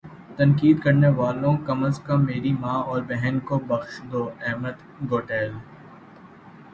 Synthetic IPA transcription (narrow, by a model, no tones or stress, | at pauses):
t̪ɐ̃nkiːd̪kɐɾneʋaːlõkɐməskɐmːeːɾimãːɔːɾbɛɦɛnkobɐxʃd̪oːɛɦməd̪ | ɡoːʈɛːl